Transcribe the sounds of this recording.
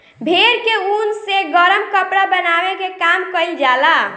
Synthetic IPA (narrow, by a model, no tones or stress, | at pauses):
bʱeɾkeunseɡəɾəmkəpɽabənabekekamkəjld͡ʒala